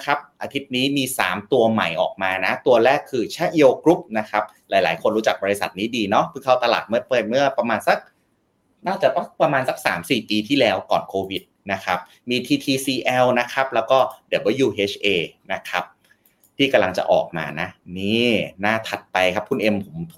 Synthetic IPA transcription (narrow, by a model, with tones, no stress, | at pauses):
kʰɾa˦˥p̚ʔaː˧t̪ʰi˦˥t̪̚niː˦˥miː˧sa̰ː˩˦mt̪u˧ɐma̰˨˩jʔɔ̰ː˨˩k̚maː˧na˦˥t̪u˧ɐɾɛː˥˩kʰːɯː˧t͡ɕʰa˦˥ʔi˧ʔo˧kɾu˦˥p̚na˦˥kʰa˦˥p̚laː˩˦jla̰ː˩˦jkʰo˧nɾuː˦˥t͡ɕa˨˩k̚bɔː˧ɾi˧sa˨˩t̪̚niː˦˥diː˧nɔ˦˥pʰɯ˧˩ŋk̪ʰa˧˩wt̪a˧la̰ː˨˩t̪̚mɯ˥˩ɐpɤː˨˩t̪̚mɯ˥˩ɐpɾa˧maː˧nsa˧˥˩k̚ | naː˥˩t͡ɕa˨˩t̪ɔ˦˥˩pɾa˧maː˧nsa˧˦k̚sa̰ː˩˦msiː˨˩piː˧t̪ʰiː˥˩lɛː˦˥wkɔ̰ː˨˩nkʰoː˧wi˨˩t̪̚na˦˥kʰa˦˥p̚ | miː˧t̪ʰiː˧t̪ʰiː˧siː˧ʔɛ˧wna˦˥kʰa˦˥p̚lɛː˦˥wkɔː˥˩di˨˩˦bɔː˧˩˦juː˧˩ʔeː˦˥t͡ɕʰʔeː˧na˦˥kʰa˦˥p̚ | t̪ʰiː˥˩ka˧mla˧ŋt͡ɕa̰˨˩ʔɔ̰ː˨˩k̚ma̰ː˧na˦˥niː˥˩naː˥˩t̪ʰa˨˩t̪̚pa˧jkʰa˦˥pʰːu˧˩nʔe˧mpʰo˩˦mt̪ʰu˩